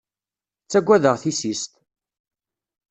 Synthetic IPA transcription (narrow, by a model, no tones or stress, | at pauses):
t͡sːæɡʷːæðəʁθisist̪